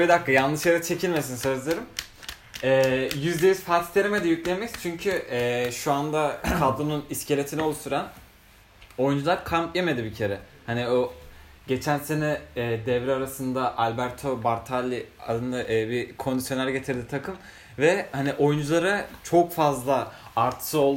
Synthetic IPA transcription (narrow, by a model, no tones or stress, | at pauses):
id̪akːɯjalˠnːɯʃjajɾat͡ʃʰe̞cʰilʲme̞s̬insø̞zlʲˠeɾɯm | ɛːjyzd̪ʲejyz̥faɾt̪ʰi̥t̪ʰeɾemed̪ijyclʲemɛct͡ʃʰyɲcʰyɛːʃuand̪akʰald̪ununiscʰelʲe̞t̪ʰinɛo̞lˠuʃst̪ʰuɾan | o̞jund͡ʒulˠaɾkʰamt̪jeme̞d̪ibicʰe̞ɾɛ | hanio | ɟe̞t͡ʃʰænse̞nɛːd̪ɛvɾiaɾasɯnd̪aʔalʲbæɾt̪ʰo̞baɾt̪ʰalʲːiad̪ɯnd̪aʔːbikʰo̞nd̪isjonːˠaɾaɟet̪ʰiɾd̪ʲit̪ʰakʰɯm | vɛhaniʔo̞jund͡ʒulˠaɾat͡ʃʰo̞kfazlˠaaɾt̪ʰɯ̥sɯo̞lˠ